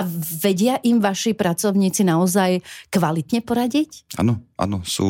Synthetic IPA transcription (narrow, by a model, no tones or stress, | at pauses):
aʋɛɟɪaʔimʋaʃipɾat͡sɔʊɲiːt͡sinaɔzajkʋalit̪ɲɛpɔɾaɟicʔa̰nɔʔa̰nɔsṵː